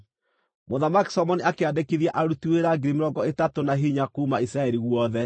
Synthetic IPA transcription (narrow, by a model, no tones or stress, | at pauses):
moðamaki̥sɔmɔniakeadekeðjaʔaɾutueɾaɡiɾimeɾɔŋɡɔetatonaɦiɲakuːmaisɾaɛɾiɣwɔðɛ